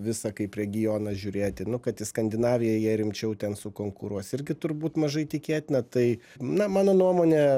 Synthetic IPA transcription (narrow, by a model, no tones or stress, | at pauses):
ʋʲɪsɐkɐɪpɾʲɛɡʲɪjoːnɐʒʲuːɾʲeːt̪ʲɪnʊkɐt̪ɪskɐnʲd̪ʲɪnɑːʋʲɪjɛjiɛɾʲɪmʲt͡ʃʲɛʊt̪ʲɛnsʊkoːŋkʊɾuɔsɪɾʲɡʲɪt̪ʊɾbuːt̪mɐʒɐɪt̪ʲɪkʲeːt̪ʲɪnʲɐt̪ɐɪnɐmɑːnoːnuɔmoːnʲɛ